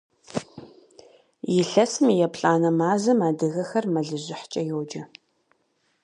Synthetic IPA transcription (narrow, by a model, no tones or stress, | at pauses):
jɪɬɐsmjɛpɬʼaːnɐmaːzɐmaːdɨɣɐxɐrmɐɮɨʑʷɪħt͡ʃʼɐjowd͡ʒɐ